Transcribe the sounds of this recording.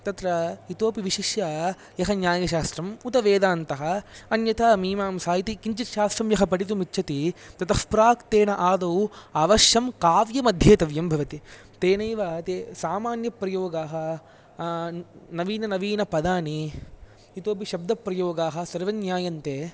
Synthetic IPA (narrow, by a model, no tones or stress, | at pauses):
t̪ɐt̪ɾɐit̪oːpiʋiʃiʃjɐ | jɐɦɐnjaːjɐʃaːst̪ɾɐmut̪ɐʋeːd̪aːnt̪ɐɦɐɐnjɐt̪aːmiːmaːmsaːjit̪ikiɲt͡ʃit̪ʃaːst̪ɾɐmjɐɦɐpɐʈit̪̬umitːʃʰɐt̪it̪ɐt̪ɐspɾaːkt̪eːnɐʔaːd̪ɐuaːʋɐʃjɐmkaːʋjɐmɐd̪ʱjeːt̪ɐʋjɐmbʱɐʋɐt̪i | t̪eːnɐjʋɐt̪eːsaːmaːnjɐpɾɐjoːɡaːɦɐ | nɐʋiːnɐnɐʋiːnɐpɐd̪aːni | it̪oːpiʃɐb̚d̪ɐpɾɐjoːɡaːɦɐsɐɾʋɐnjaːjɐnt̪eː